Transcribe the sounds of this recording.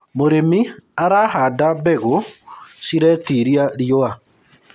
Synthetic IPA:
moɾemiaɾahaːdabɛɣosiɾɛtiɾiaɾioa

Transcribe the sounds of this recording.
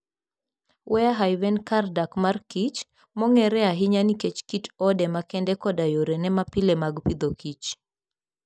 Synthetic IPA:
wɛaɦajvɛnkardakmarkit͡ʃ | mɔŋɛɾɛaɦɪɲaniket͡ʃkitɔdɛmakɛndɛkɔdajoɾenɛmapɪlɛmaɡpid̪okit͡ʃ

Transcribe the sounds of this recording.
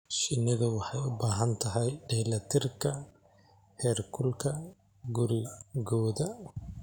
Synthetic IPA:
ʃɪnɪðɐwɑħɑjʊbaːɦɐnt̪ʰɐɦɛjɖɛlɐt̪ʰɪrkʰɐ | hɛːrkʰʊlkʰɐ | ɡʊɾɪɡɔːðɐ

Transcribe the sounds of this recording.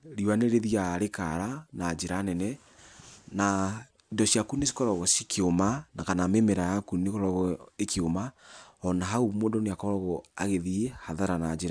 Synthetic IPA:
ɾiwaneɾeðiaɾekaɾanad͡ʒeɾanɛnɛ | na | ndɔʃjakunes̬i̥kɔɾɔɣɔsikeomanakanamemeɾajakunekɔɾɔɣɔekeomaɔnaɦaumoːndɔneakɔɾɔɣɔa̰ɣeðiehaðaɾanad͡ʒeɾa

